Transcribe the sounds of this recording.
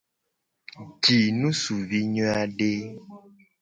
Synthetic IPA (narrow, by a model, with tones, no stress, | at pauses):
d͡ʒi˨nũ˦su˨vi˦ɲɔ̃˦a˨ɖe˦